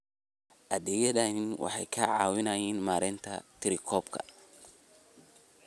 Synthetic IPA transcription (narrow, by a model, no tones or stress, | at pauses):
ʔɐðɛjɐðɐnɪnwʔɑ̰ħɑjkʰɐʕɑ̰ːwɪnɐjɛːnmaːɾɪnt̪ʰɐ̰t̪ʰɪɾɪkʰɔːbkʰɐ̰